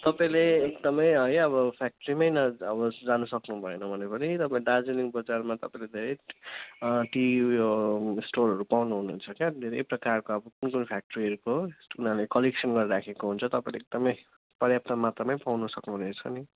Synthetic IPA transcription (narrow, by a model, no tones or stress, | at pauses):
t̪ʌpãĩleːk̚d̪ʌmʌjʌjʌβʌpʰak̚ʈʌɾimʌjnʌʌbʌd͡zanusʌknubʱʌenʌbʱʌnepʌnit̪ʌpãĩad͡zeniŋbʌd͡zarmat̪ʌpãĩled̪ʱeɾʌj | ʈijosʈorʌɾupawnuɦununt͡sʰʌked̪ʱeɾʌjprʌkarkoʌbʌkunkunpʰjak̚ʈʌɾiɦʌɾukounalekʌleksʌnɡʌɾiɾakʰekoɦunt͡sʰʌt̪ʌpãĩleek̚d̪ʌmʌj | pʌrjap̚t̪ʌmat̪rʌmʌjpawnusʌknuɦunet͡sʰʌ̰ni